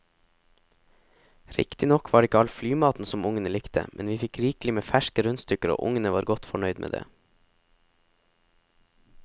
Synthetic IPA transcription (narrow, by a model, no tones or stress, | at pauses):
ɾɪ̰kt̪ɪnɔkʰʋɑːɖeɪkəɑlflyːmɑːt̪n̩sɔmʊŋənəlɪkt̪ʰə̰mʔɛnʋiːfɪkɾiːklɪmeːfæʃkəɾʉnst̪ʏkəɾo̰ːʔʊŋənəʋɑːɾɡɔt̪fɔɳœʏd̪mḛːd̪ḛː